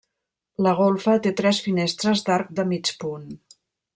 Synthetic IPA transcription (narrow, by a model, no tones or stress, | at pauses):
ləɣ̞olˠfət̪et̪ɾɛsfinest̪ɾəzd̪aɾk̚d̪əmit͡ʃpun